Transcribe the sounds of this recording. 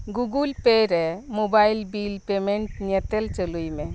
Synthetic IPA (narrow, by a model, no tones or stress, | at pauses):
ɡuɡulpeɾɛmobajlbilpemɛɳʈ̚nɛt̪ɛlt͡ʃəlujmɛ